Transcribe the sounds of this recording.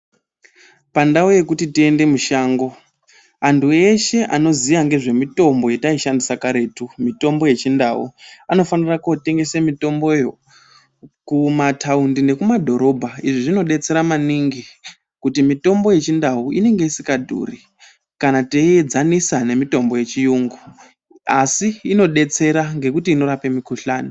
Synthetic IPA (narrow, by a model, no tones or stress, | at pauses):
pandaoje̞kutitie̞nde̞muʃaːŋɡo̞ | antʰue̞ʃe̞ʔano̞ziʋaŋɡe̞ʐe̞mito̞mbo̞jetaiʃandisakaɾe̞ːtumito̞mbo̞je̞t͡ʃindaṵano̞fanirakote̞ŋɡe̞semito̞mbo̞jo | kumatʰaundine̞kumadʱo̞ɾo̞bʱaiʐiʐino̞ɗe̞t͡se̞ɾamaniŋɡi | kutimito̞mbo̞je̞t͡ʃindauine̞ŋɡe̞isikadʱṵːri | kanateed͡zanisane̞mito̞mbo̞je̞t͡ʃijuːŋɡu | asiːno̞ɗe̞t͡se̞ɾaŋɡe̞kutiːno̞ɾape̞mikuɬaːni